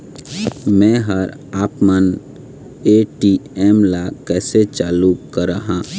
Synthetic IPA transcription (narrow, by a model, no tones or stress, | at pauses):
mɛ̃ːɦəɾ | aːpmən | eːʈieːmlakɛːset͡ʃaːluːkkəɾaɦãː